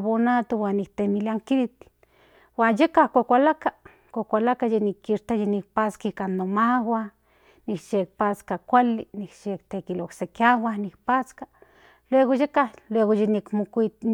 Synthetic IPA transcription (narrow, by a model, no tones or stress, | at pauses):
βonat̪owanːikt̪emiliaŋkilit̪ | waːnjekahkʷakʷalaka | kʷokʷalakajenikːiʃt̪ajenik̚pat͡skaikanːomawa | nikʃek̚pat͡skakʷalḭnikʃekt̪ekiloksekjawahnikpat͡ska | lweɣojekahlweɣojenikmokʷi